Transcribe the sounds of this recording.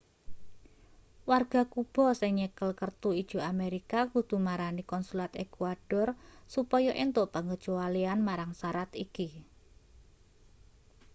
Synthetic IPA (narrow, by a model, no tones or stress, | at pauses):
warɡ̥a̤kub̥ɔ̤sɪŋɲəkəlkərt̪uid̥ʒ̥ṳameɾikakud̪̥ṳmaɾanikɔnsulat̪ekuaɖ̥ɔrsupɔjɔʔent̪ʊʔpəŋɡə̥ʒ̥oalianmaɾaŋsaɾat̪iki